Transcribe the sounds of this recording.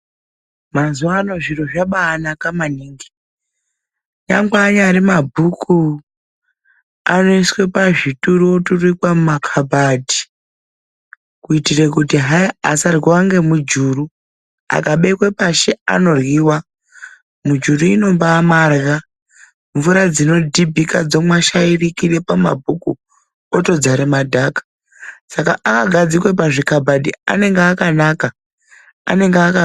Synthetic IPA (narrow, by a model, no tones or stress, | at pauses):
mazuaːno̞ʐiroʐaɓaːnakamaniːŋɡi̥ | ɲa̰ŋɡaːɲaɾimabʱukʰu | a̰noiswe̞paʐituɾuwoturikwamumakʰabʱadi̥ | kuitirekutiɦaa̰sarɣwaŋɡe̞mud͡ʒuːru | a̰kaɓekwepaʃe̞a̰no̞rwiːwa | mud͡ʒuruino̞mbaːmarɣa | ɱvuɾad͡zino̞dʱibʱikad͡zo̞mwaʃairikire̞pama̰bʱuku | oto̞d͡zaɾemadʱakḁ | sakaʔakaɡʱad͡zikwepaʐikabʱadia̰ne̞ŋɡeakanaka | a̰ne̞ŋɡeaka